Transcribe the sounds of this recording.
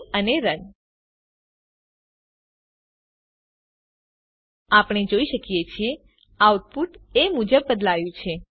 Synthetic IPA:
əneɾən | apɽ̃ed͡ʒoiʃəkjet͡ʃʰie | auʈ̪̚puʈemud͡ʒəbːəd̪laʋjũt͡ʃʰe

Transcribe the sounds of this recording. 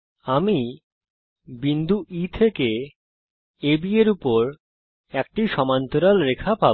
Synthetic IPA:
ami | bind̪ʱuʔit̪ʰeke | ebieɾupoɾ | ɛk̚ʈiʃɔmant̪oɾalɾekʰapa

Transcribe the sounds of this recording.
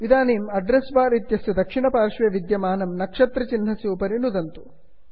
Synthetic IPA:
ʋid̪aːneːmɐɖɾesbaːɾit̪jɐsjɐd̪ɐkʂiɳɐpaːɾʂʋɐʋid̪jɐmaːnɐmnɐkʂɐt̪ɾɐt͡ʃinɦɐsjuːpɐɾinud̪ɐnt̪u̥

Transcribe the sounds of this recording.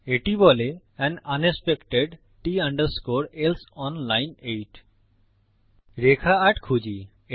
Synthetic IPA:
eʈibɔle | ɛnɐnespekʈeɖ | ʈiɐɳɖəɾskoɾelsɔnlajnejʈ | ɾekʰaːʈkʰud͡ʑi | e

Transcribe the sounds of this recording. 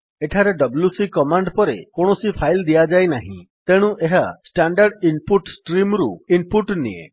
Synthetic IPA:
eʈʰaɾeɖɔblusikɔmaɳɖpɔɾekoɽ̃ɔsipʰajld̪ijad͡ʒajnaɦḭ̃t̪eɽ̃ũʔeɦasʈaɳɖaɾɖinpuʈsʈɾimɾuinpuʈnḭḛ̃

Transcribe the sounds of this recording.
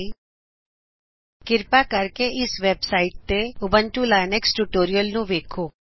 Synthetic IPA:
kɪɾpakəɾkeʔɪsʋeːbsaːɪʈ̚t̪eʊbə̃nʈulaːneksʈuʈoːɾijəlnũʋeːkʰoː

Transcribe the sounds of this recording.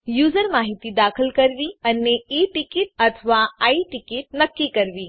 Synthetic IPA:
juːzəɾmaːɦɪt̪id̪aːxəlkɐɾʋiɐnːeiːʈɪkɪʈ̚ɐt̪ʰʋaaːiʈɪkɪʈ̚nɐkːikɐɾʋiː

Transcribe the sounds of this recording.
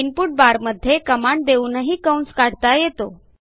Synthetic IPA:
inpuːʈ̚baɾməd̪ʱːjekəmaɳɖd̪eunəɦiːkawnskaɽ̤t̪ajet̪o

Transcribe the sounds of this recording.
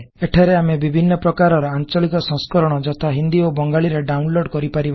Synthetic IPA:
eʈʰaɾeamebibʱinːɔpɾɔkaɾɔɾɔant͡ʃɔlikɔsɔ̃ŋskɔɾɔɽ̃ɔd͡ʒɔt̪ʰaɦind̪iobɔŋɡaɭiɾeɖawnloɖkɔɾipaɾib

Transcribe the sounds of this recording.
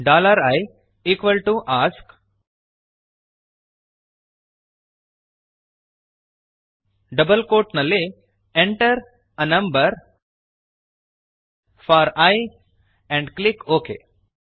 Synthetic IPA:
ɖaːləɾaj | iːkʋəlʈuʔaːsk | ɖɐbəlkoːʈnɐle | ɛ̃ɳʈəɾ | ənɐ̃mbəɾ | faɾaj | ɛ̃ɳɖklɪkoːkḛː

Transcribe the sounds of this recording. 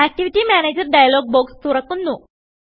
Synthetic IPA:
æk̚ʈiʋiʈiːmæned͡ʑəɾɖajlɔɡ̚bokst̪uɾəkːunːu

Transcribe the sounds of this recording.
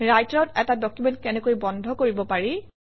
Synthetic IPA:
ɹajtɹɔtɛtadɔkjumɛntkɛnɛkojbɔndʱɔkoɹibɔpaɹi

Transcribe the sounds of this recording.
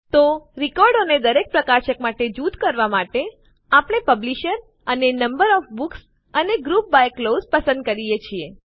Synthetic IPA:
t̪oɾikɔɾɖoned̪əɾek̚pɾəkaʃək̚maʈed͡ʒud̪kəɾʋamaʈe | apɽ̃epəbliʃəɾ | ənenəmbəɾɔfbuks | əneɡɾup̚bajklozpəsə̃nd̪̚kəɾijet͡ʃʰie

